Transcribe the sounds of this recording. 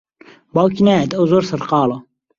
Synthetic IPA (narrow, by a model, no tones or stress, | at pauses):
baːwkinaːjɛt̪ɐwzoːɾsɐɾqɑːlo